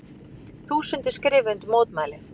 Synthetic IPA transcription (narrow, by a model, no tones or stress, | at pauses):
θuːsʏnt̪ɪskɾɪːvʏnt̪moːt̪maːjlɪ